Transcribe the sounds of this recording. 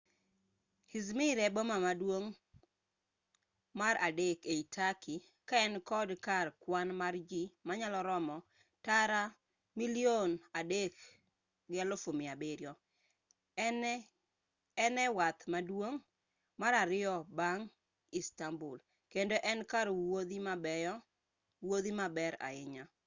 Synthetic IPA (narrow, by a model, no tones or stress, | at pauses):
hizmiɾɛbomamadwoŋ | maɾadekeitʰaki | kaɛnkɔdkarkwanmard͡ʒimaɲalɔɾɔmɔ | taɾa | milionadek | ɡɛlofomɪabeɾjɔ | ɛnɛwat̪madwoŋ | maɾaɾɪjɔbaŋ | istambul | kendoʔɛnkaɾod̪imabɛɔ | wod̪imabɛɾa̰ɪɲa